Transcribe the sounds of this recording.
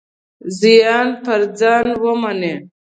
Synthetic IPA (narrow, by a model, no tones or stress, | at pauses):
zijɑːnpaɾd͡zaːnwəmane